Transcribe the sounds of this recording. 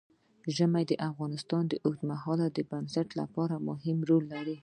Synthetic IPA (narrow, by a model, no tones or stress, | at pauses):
ʒəmajd̪əʔafɣɑnɪst̪ɑnd̪əʔoxd̪maɦɑlad̪əbansaʈla̰pɑɾamʊɦɪmɾolːaɾi